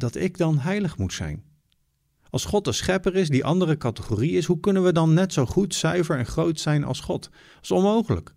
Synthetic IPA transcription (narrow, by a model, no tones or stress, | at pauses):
dɑtɪɡdɑnɦɛjləχmutsɛ̰jn | ɑlˠsχɔtəsχɛpəɹɪsdiʔɑndərəkɑtəχoːriɪsɦukɵnənʋədɑnːɛtsowχutsœɥvəɹɛnχrowtsɛjnʔɑ̰lˠsχɔt | sɔnmowχələ̰k